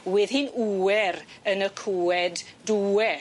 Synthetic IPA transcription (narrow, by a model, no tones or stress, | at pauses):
wɪðhɨnuɛɾənəkʰuːɛdduɛ